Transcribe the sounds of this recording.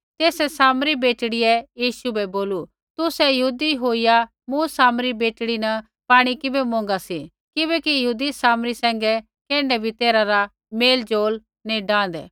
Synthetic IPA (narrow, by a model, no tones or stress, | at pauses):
t̪eːsɛsaːmɾibeːʈɽɪjɛjiːʃubɛboːlu | t̪ʊsɛjɐɦuːd̪iɦoːɪja | mũsaːmɾibeːʈɽinɐ | paːɽ̃ikɪbɛmõːŋɡasi | kɪbɛkijɐɦuːd̪isaːmɾisɛ̃ːŋɡɛ | kɛ̃ːɳɖɛbʱit̪eːɾaɾa | meːld͡ʒoːl | nĩɖãːnd̪ɛ̰ː